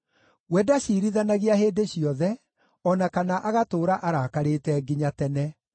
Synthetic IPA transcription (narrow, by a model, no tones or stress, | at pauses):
wɛdaɕiɾiðanaɣiaɦeːdeɕjiɔðɛ | ɔnakanaʔaɣatoːɾaʔaɾakaɾetɛɡiɲatɛnɛ